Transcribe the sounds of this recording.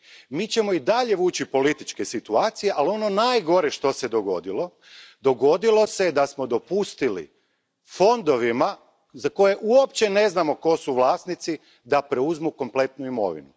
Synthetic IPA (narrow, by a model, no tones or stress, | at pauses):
miːt͡ɕe̞mo̞id̪aʎe̞ʋuːt͡ɕipo̞lit̪it͡ʃke̞sit̪uaːt̪sije̞ʔalio̞no̞naːjɡo̞ɾeʃt̪o̞se̞d̪o̞ɡo̞̰d̪ilˠo̞ | d̪o̞ɡo̞d̪ilˠo̞se̞d̪asmo̞d̪o̞pust̪ilḭ | fo̞nd̪o̞ʋima | zako̞je̞ʔuopt͡ɕe̞ne̞znamo̞ko̞suʋlˠaːst̪nit̪si | d̪apɾe̞uzmuko̞mple̞t̪nuimo̞̰ʋḭnu